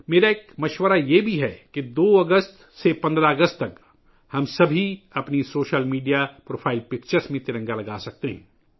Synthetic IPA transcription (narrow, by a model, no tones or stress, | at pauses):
meːɾaeːkmɐʃwəɾajebʱiɦɛkid̪oːɐɡəst̪ | sepɐ̃nd̪ɾaɐɡəst̪ːɐk | hɐmsɐbʱiɐpnisoːʃəlmiːɖijapɾoːpʰaːɪlpɪkt͡ʃəɾsmẽt̪ɪɾə̃ŋɡalɐɡaːsɐk̚t̪eɦɛ̃ː